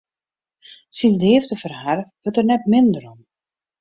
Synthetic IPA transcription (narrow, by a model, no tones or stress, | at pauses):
sindhɪːftəfərharʋøtərnɛtmɪndəɾɔm